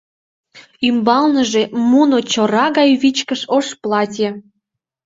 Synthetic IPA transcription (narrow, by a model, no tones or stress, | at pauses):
ymbɑlnəʒemunot͡ɕoɾɑɣɑjβit͡ɕkəʃoʃplɑtʲe